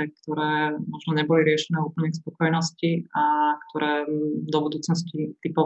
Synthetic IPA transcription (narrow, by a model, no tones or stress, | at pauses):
ɛkt̪ɔɾɛːmɔʒnɔɲɛbɔliɾɪɛʃɛnɛːupl̩ɲɛspɔkɔjnɔsciakt̪ʰɔɾɛːd̪ɔbud̪uːt͡snɔs̬cit̪ipɔ